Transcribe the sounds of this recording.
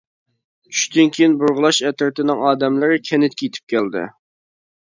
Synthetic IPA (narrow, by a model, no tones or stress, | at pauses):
t͡ʃʰy̥ʃd̪ɪnkʲejinbʊɾʁʊlˠɑʃɛt̪ɪɾt̪ɪnɪŋɑːd̪ɛmlɪɾɪkʲʰɛnɪt̪̚kʲeit̪ʰɪ̥p̚kʲʰæld̪ɪ̰